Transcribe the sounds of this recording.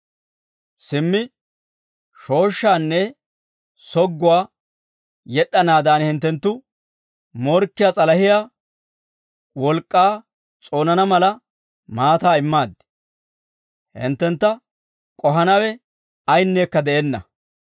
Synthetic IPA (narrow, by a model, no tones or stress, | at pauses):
sɪmːɪ | ʃo̞ːʃːaːnːɛ | sɔɡːʊwaː | jɛɗɐnaːd̪aːnhɪnt̪ːɛnt̪ːʊ | mɔɾkːɪjaːt͡sʼɐlɐhɪjaː | wɔlkʼːaː | t͡sʼo̞ːnɐnɐmɐlɐ | maːt̪aːɪmːaːd̪ | hɪ̰nt̪ːɛnt̪ːɐ | kʼɔɦɐnɐwɛ | ɐjnːeːkːɐd̪ɛʔeːnːɐ̰